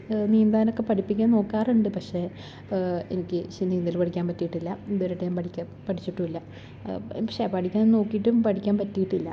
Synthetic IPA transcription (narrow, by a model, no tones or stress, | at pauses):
niːnd̪aːnokːe̞pɐʈʰipːikʲːano̞ːkːaːruɳɖɨpɐkʂe̞ | enikʲːɨɕinːiːnd̪ilpɐʈikʲːaːnpɐtːijiʈːilːɐðoɾiʈːeɲaːmpɐʈikʲːɐ | pɐʈʰit͡ɕːiʈːuilːɐ | pɐkʂepɐʈikʲːaːnnno̞ːkːijiʈːumpɐʈʰikʲːaːnpɐtːijiʈːilːɐ̰